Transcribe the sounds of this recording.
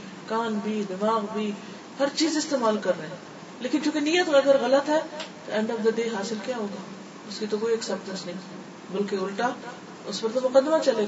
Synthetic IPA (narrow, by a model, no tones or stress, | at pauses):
kaːnbʱiːd̪ɪmaːɣbʱiː | hɐɾt͡ʃiːzɪst̪eːmaːlkɐɾːəeɦɛ̃ | leːkɪnkjũːkenijːət̪ɐɡəɾɣɐlət̪ɦɛːt̪oɛ̃ːɳɖɔːfd̪ad̪eːɦaːsɪlkjaːɦoːɡaː | ʊskit̪okoːiɛksɛpʈə̃nsnɐɦĩː | bɐlkeʊlʈa | ʊspɐɾt̪omʊqəd̪ːmat͡ʃɐleː